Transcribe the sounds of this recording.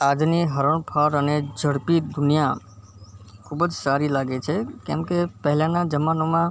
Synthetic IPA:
ad͡ʒniɦəɾəɳpʰaɾəned͡ʒəɽpid̪unija | kʰubəd͡ʒsaɾilaɡet͡ʃʰɛkjã̰mkepəɦilãnãd͡ʒəmanomã

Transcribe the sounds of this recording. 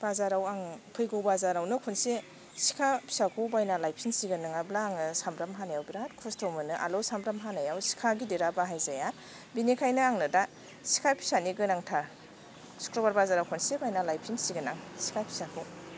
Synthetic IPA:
b̥azaɾawaŋpʰɯjɡowbazaɾawnɯkʰonse | si̥kʰapʰi̥sakʰubajnalajpʰinsiɡɯnɯŋablaːŋnɯsambɾamɦanajawbiɾatkʰɔstʰowmɯnɯʔa̰losamɾamɦanajawsi̥kʰaɡideɾabaɦajzajan | binikʰajnɯaŋnɯda | si̥kʰajpʰi̥saniɡɯnaŋtʰa | su̥kʰɾɔbaɾbazaɾawkʰɔnsebajnalajpʰinsiɡɯnaŋsi̥kʰajpʰi̥sakʰu

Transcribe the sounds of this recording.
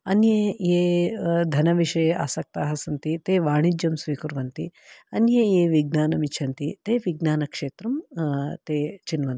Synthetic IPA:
ɐnjejeːd̪ʱɐnɐʋiʂɐja̰ːsɐk̚t̪aːɦɐsɐnt̪it̪eːʋaːɳid͡ʒjɐmsʋiːkuɾʋɐnt̪iɐnjɐjeːʋiɡ̚naːnɐmit͡ʃʰɐnt̪it̪eːʋiɡnaːnɐkʂeːt̪ɾɐmt̪eːt͡ʃinʋɐnt̪i

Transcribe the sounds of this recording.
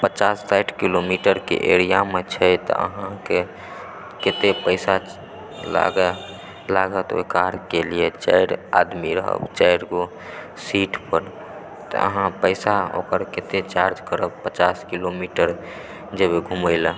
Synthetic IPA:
pət͡ʃasːaʈkilomiʈəɾkḛʔḛɾija̰met͡ʃʰəjt̪ɔ̰ʔə̰ɦãke | ket̪epəɪsa | la̰ɡ | laɡət̪o̰ikaɾkelijet͡ʃəjɾa̰d̪miɾə̰ɦə̰bt͡ʃəjɾko | siʈpəɾ | t̪ɔ̰ə̰ɦãpəɪsao̰kəɾket̪et͡ʃaɾd͡ʒkəɾəbpət͡ʃaskilomiʈəɾ | d͡ʒebeɡʱuməɪlə

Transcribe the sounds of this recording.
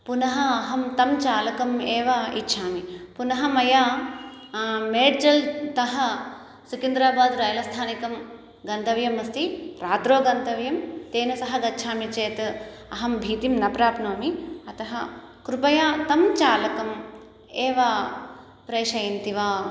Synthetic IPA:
punɐɦɐːɦɐmt̪ɐmt͡ʃaːlɐkɐmeːʋɐḭtːʃʰaːmipunɐɦɐmɐjaː | meːɖd͡ʒɐlt̪ɐɦɐ̆ | sukind̪ɾaːbaːd̪ɾɐjɐlɐst̪ʰaːnikɐm | ɡɐnt̪ɐʋjɐmɐst̪iɾaːt̪ɾoːɡɐnt̪ɐʋjɐmt̪eːnɐsɐɦɐɡɐtːʃʰaːmit͡ʃeːt̪ | ɐɦɐmbʱiːt̪imnɐpɾaːpnoːmiɐt̪ɐɦɐ̰ | kɾupɐjaːt̪ɐmt͡ʃaːlɐkɐm | eːʋɐ | pɾeːʃɐjɐnt̪iʋaː

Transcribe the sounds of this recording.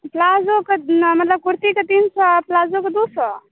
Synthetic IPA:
plazokəmɐt̪ləb̚kuɾt̪ikət̪insəplazokəd̪usə

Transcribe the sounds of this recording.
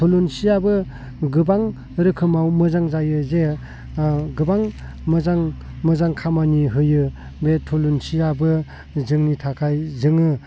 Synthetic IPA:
tʰolunsijabɯ | ɡɯbaŋ | ɾɯkʰɯmawmɯzaŋzajɯze | ɡɯbaŋ | mɯzaŋ | mɯzaŋkʰamaniɦɯjɯ | betʰolunsijabɯ | zɯŋnitʰakʰajzɯŋɯ

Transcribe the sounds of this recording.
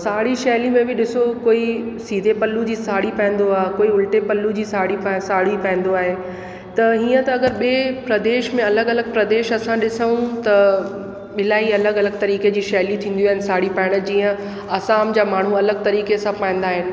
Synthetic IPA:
saːɽiʃɛːlimẽbɪɗɪsokoːisiːd̪ʱepɐlːud͡ʑiːsaːɽipɐ̃ɦn̆d̪oaːɦekoːiʊlʈepɐlːud͡ʑiːsaːɽipɐsaːɽ̤ipɐ̃ɪ̃n̆d̪oaːɦe | t̪ɐɦiːə̃t̪ɐɐɡəɾɓeːpɾɐd̪eːʃmẽɐləɡɐləɡ̚pɾɐd̪eːʃɐsãɗɪsəũt̪ɐ | ɓɪlaːiɐləɡɐləɡ̚t̪ɐɾiːked͡ʑiːʃɐɦlit̪ʰĩːn̆d̪iaːɦɪnɪsaːɽipɐːɪɽ̃əd͡ʑiːə̃ | ɐsaːmd͡ʑaːmaːɳ̤uɐləɡ̚t̪ɐɾiːkesãpãːĩn̆d̪aːɦɪnɪ̆

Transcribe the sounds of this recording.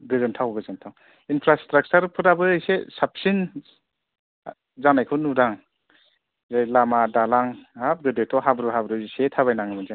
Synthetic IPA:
ɡɯzɯntʰawɡɯzɯntʰaw | inpʰɾastɾak̚t͡ʃaɾpʰɯɾabɯːjsesap̚sin | zanajkʰɯnudaŋ | zajlamadalaŋap̚ɡɯdɯjtʰɔɦabɾɯɦabɾɯisetʰaβajnaŋɯmɯzan

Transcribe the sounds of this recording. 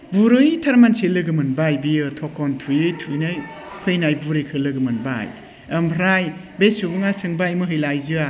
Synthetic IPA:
buɾɯjtʰaɾmanselɯɡɯmɯnbajbijɯɾtʰɔkʰɔntʰujɯjtʰujnɯj | pʰɯjnajbuɾɯjkʰɯlɯɡɯmɯnba̰j | əmpʰɾaj | besubuŋasɯŋbajmɯɦɯjlajzɯa

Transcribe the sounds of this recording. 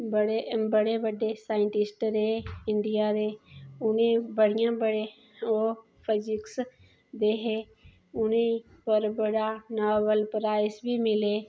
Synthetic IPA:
bəɽebəɽebəɖesaːɪɳʈɪsʈɾeɪɳɖijaɾeːʊnẽbəɽ̤ijãːbəɽe | oː | pʰɪd͡ʒɪks | d̪eːɦe | ʊnẽi | pəɾbəɽanaːʋəlpɾaːɪsbʱimɪleː

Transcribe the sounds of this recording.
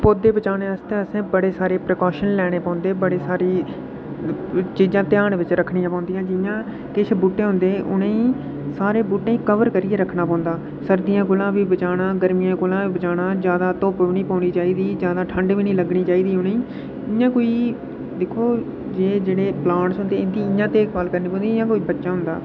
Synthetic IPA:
poːd̪eːbət͡ʃaːneːəst̪eːəsẽːbəɽeːsaːɾeːpɾəkɔːʃənlɛːɽ̃eːpãːʊ̃nd̪eːbəɽeːsaːɾiː | t͡ʃiːzãːt̪ɪjaːɳʋɪt͡ʃɾəkʰɽɪijãːpãːnd̪ɪjãːd͡ʒɪjãː | kɪt͡ʃʰbuːʈeːɦʊ̃nd̪eːʔʊnẽːĩː | saːɾeːbuːʈẽːĩːkəʋəɾkəɾiːeːɾəkʰnaːpɔ̃ːnd̪aː | səɾd̪ɪjãːk̬ʊlãːbiːbət͡ʃaːɽãːɡəɾmɪjãːkʊlãːʋiːbət͡ʃaːnãːd͡ʒjaːd̪aːt̪oːpʋniːpaːniːt͡ʃaːiːd̪iːd͡ʒjaːd̪aːʈʰəɳɖʋiːnĩːləɡɳiːt͡ʃaːiːd̪iːʊnẽĩː | ɪjãːkoːiː | d̪eːkʰːoː | d͡ʒeːd͡ʒeːɽeːplãːɳsɦʊnd̪eːɪnt̪ĩːɪjãːt̪eːkʋaːlkəɾniːpɔ̃ːnd̪iɪjãːkoːiːbətːʃãːɦʊ̃nd̪a̰ː

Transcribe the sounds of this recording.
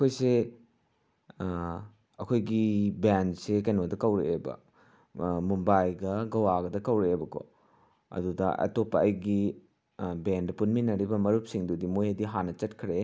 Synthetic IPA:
ɐkʰojse | ɐkʰojɡibensekɐjnodɐkɐwɾeebɐ̰ | mumbajɡɐɡɐwaɡɐdɐkɐwɾeebɐko̰ | ɐ̰dudɐ̰ʔɐ̰topːɐɐjɡi | bendɐpunminɐɾibɐmɐɾup̚siŋdudimojɐdiɦanɐt͡ʃɐtkʰɾe

